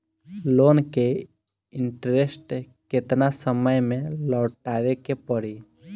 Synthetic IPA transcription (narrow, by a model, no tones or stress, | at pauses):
loːnke | ɪɳʈɾesʈ | kɪt̪nasəməjmẽlɔːʈaːʋekepəɽi